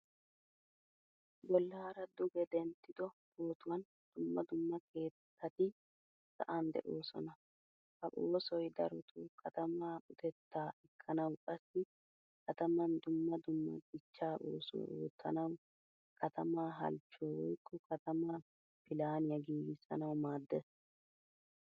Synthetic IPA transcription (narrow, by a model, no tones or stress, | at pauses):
ɡɔlːɐhɐɾɐd̪ʊɡɛd̪ɛnt̪ːɪd̪ɔbo̞ːt̪ʊwɐn | d̪̥ʊmːɐd̪ʊmːɐkʰe̞ːtːɐt̪ɪ | sɐ̰ʔand̪ɛ̰ʔoːsɔ̰nɐ | fɐʔoːsɔjd̪ɐ̰ɾɔt̪ʰuːkʰɐt̪ɐmaːʊt̪ɛt̪ːaːɛkʰːɐnɐwkʼɐsːɪ | kʰɐt̪ɐmɐnd̪ʊmːɐd̪ʊmːɐ̰ɡɪt͡ʃːaːʔoːso̰o̰ːt̪ːɐ̰nɐw | kʰɐt̪ɐmaːɦɐ̰lt͡ʃːoːwɔjkʰːɔkɐt̪ɐmaː | pɪlaːnɪjɐɡiːɡɪsːɐ̰nɐwmaːd̪ːɛs